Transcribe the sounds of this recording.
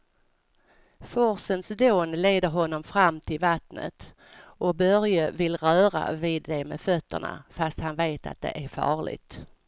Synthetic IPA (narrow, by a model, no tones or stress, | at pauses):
fɔɾsənsd̪oːnleːd̪əɾɦɔnːɔmfɾamːt̪ʰɪlvat̪nə̰t̪ | ʔɔbœɾjəvɪlɾœːɾa̰vɪːd̪ːɛmɛfœt̪ːə̰ɳa̰fast̪hanveːt̪ʰa̰t̪̚d̪ɛ̰ʔæɾfɑ̰ːɭɪ̰t̪